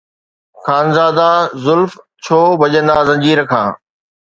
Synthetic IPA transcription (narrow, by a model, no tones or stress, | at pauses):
xaːnzaːd̪azʊlf | t͡ɕʰoːbʱɐʄə̃nd̪azɐ̃ɲd͡ʑiːɾkʰã̰ː